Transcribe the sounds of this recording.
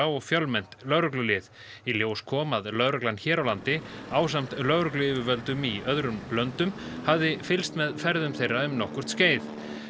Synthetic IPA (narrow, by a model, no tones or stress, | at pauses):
awɔɣfjœlmɛn̥t̪lœɣɾʏklʏlɪːðiljoːwskʰɔːmaðlœðɾœklanːçɛːɾawlant̪ɪaːwsam̥t̪lœɣɾʏklʏɪːvʏvœlt̪ʏmiœðɾʏnlœnt̪ʏmhavðɪfɪlst̪mɛðfɛɾðʏmθejrːaʏmnɔhkʏɾ̥t̪sceːjð